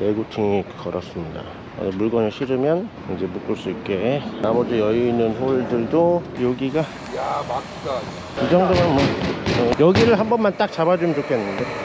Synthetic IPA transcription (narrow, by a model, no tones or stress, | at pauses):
eɡutʰiŋikʰʌɾʌs͈ɯmɲida̰ | a̰nimuɭɡʌnɯɭɕʰiɾɯmjʌn | ind͡ʑe̞muk͈ɯɭs͈uik͈enamʌd͡ʑɯjʌjuinːɯnɸoɭdɯɭdojoɡiɡa | jamak | a | ked͡ʑaŋdʌŋanmʌejʌɡiɾɯɭɦambʌnmant͈ak̚t͡ɕabad͡ʑumd͡ʑokʰenːɯnde